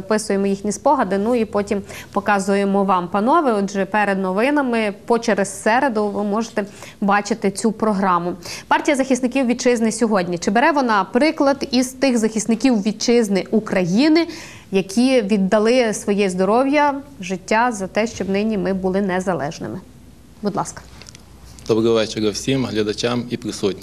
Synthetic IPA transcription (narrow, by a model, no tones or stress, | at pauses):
ɐpɪsʊjemɔjixnʲispɔɦɐd̪ɪnuipɔtʲimpɔkɑzʊjemɔʋɑmpɐnɔʋɪɔdʒɛpɛɾed̪nɔʋɪnɐmɪpɔt͡ʃɛɾɐssɛɾed̪ʊʋɪmɔʒet̪ɛ | bɑt͡ʃɪt̪ɪt͡sʲupɾɔɦɾɑmʊpɑrtʲijɐzɐxʲisnɪkʲiwʋʲid̪̚t͡ʃɪznɪsʲɔɦɔdʲnʲit͡ʃɪbeɾɛʋɔnɑpɾɪklˠɐd̪izt̪ɪxzɐxʲist̪nɪkʲiwʋʲid̪̚t͡ʃɪznɪʔukɾɐjinɪ | jɐkʲʰiʋʲid̪ːɐlˠɪsʋɔjɛzd̪ɔɾɔwjɐʒɪtʲːazɐt̪ɛʃt͡ʃɔbnɪnʲimɪbʊlˠɪnɛzɐlˠɛ̰ʒnɪ̰mɪ | bud̪lˠɑskɐ̥ | d̪ɔbɾɐɔʋɛt͡ʃɛɾɐwsʲimɦlʲɐd̪ɐt͡ʃamipɾɪsut̚ʲnʲ